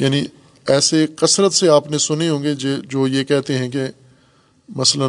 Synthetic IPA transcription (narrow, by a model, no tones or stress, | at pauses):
jaːni | ɛːseqɐsɾət̪seaːpnesʊneɦõːŋɡed͡ʒed͡ʒoːjekɛɦt̪eɦɛ̃ke | mɐslə